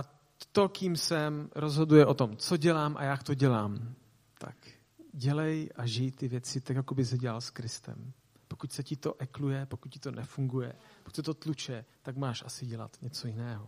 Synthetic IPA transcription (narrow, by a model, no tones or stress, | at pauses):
ʔa | t̪o̞kiːmsɛmɾo̞zɦo̞dujɛʔo̞t̪o̞mt͡so̞ɟɛlaːmʔa̰jakt̪o̞ɟɛlaːm | t̪a̰k | ɟɛlɛjʔaʒɪjt̪ɪvjɛt͡sɪt̪akjakobɪzɛɟɛa̰lskɾɪst̪ɛ̰m | pokucsɛcɪt̪o̞ʔɛklujɛpokut̪̚cɪ̥t̪o̞nʔɛfuŋɡujɛ̰pokucʲsɛt̪o̞t̪lut͡ʃɛt̪akmaːʃʔasɪɟɛla̰t̪ɲɛt͡sojɪnɛːɦo